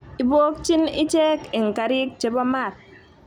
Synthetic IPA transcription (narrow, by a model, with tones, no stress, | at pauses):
i˨bo˦k̚t͡ʃi˦ni˦t͡ʃɛ˦ki˨ŋ̩˨ka˨ɾi˦k̚t͡ʃe˨bɔ˦ma˦˨t̚